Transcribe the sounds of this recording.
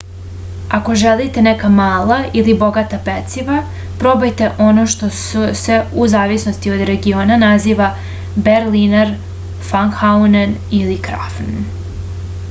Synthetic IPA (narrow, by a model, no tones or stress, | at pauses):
ako̞ʒelit̪e̞nekamaːlˠaʔilibo̞ɡat̪apet̪siʋa | pɾo̞bojt̪e̞ʔo̞no̞ʃt̪o̞suse̞uzaːʋisno̞st̪io̞d̪ɾe̞ɡio̞ːnanaziːʋa | beɾlinaɾ | faŋxaunenilikɾa̰fn